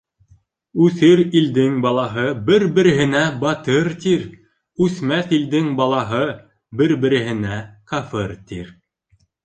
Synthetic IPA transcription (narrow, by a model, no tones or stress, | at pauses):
ʉθɘɾild̪ɘŋbɑlˠɑɦɤbɘɾbɘ̆ɾɘ̆ɦɘ̆næbɑt̪ɤɾt̪iɾ | ʉθmæθild̪ɘŋbɑlˠɑɦɤ | bɘɾbɘ̆ɾɘ̆ɦɘ̆næqɑfɤɾt̪ḭɾ